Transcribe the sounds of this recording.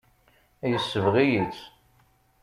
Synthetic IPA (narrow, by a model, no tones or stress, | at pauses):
æjəsːəvʁijit͡s